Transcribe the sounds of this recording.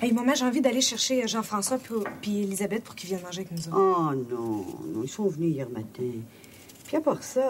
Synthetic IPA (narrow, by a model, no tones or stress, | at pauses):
ɛmɔ̃mɛ̃ʒeɑ̃vid̪aleʃɛʁʃeʒɑ̃fχɑ̃swappielizabɛt̪̚pu̥ʁkʲilvjɛ̃d̪əmɑ̃ʒeaknuzɔanɔ̃nɔ̰̃ilsɔ̃vnyijɛʁmat̪ʰɛ̃ | piapaːʁsa